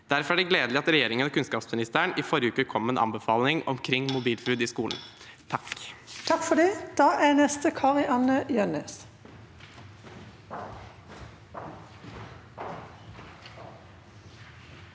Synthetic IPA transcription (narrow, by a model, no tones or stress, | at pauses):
d̪̥æɾfɔɾæːɖɛɡleːd̪lɪɑt̪ɾɛjeːɾɪŋənoːkʰʉnskɑːpsmɪnɪst̪əəɳiːfɔɾjəʉːkəkʰɔmːenʔɑ̰mbəfɑːlnɪŋɔ̰mkʰɾɪŋmʊbiːlfɾʉːd̪iːskuːln̩ | t̪ʰɑkt̪ʰɑkfɔɖ̪ɛːd̪̥ɑːʔænɛst̪əkʰɑʁɪʔɑnəjœneːs